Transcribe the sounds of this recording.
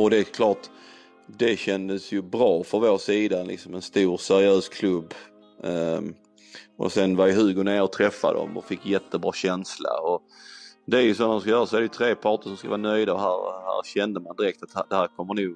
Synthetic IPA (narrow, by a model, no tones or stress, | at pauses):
ɔd̪ɛkʰlɑːʈ | d̪ɛɕɛnd̪əsjɵbɾɑːfɾɔnvoːʂiːd̪alɪ̰ksɔmɛnst̪uːɾsæɾɪøːskʰlɵbː | ʔɔ̰sɛnvajɪɦʉːɡʊneːɾɔt̪ʰɾɛfːa̰d̪ɔ̰mɔ̰fɪkːjɛt̪ʰːəbɾɑːɕɛnsla̰ɔ | d̪ɛæɾjɵsɔnd̪ɔmskajœːɾasɔɛɾd̪ɛjʏt̪ʰɾeːpʰɑːʈəʂɔmskavɑːnœjd̪aɔhæːɾhæ̰ːɾɕɛnd̪əmand̪ɪɾɛk̚t̪at̪̚d̪ɛhæːɾkʰɔmːəɳuːɡ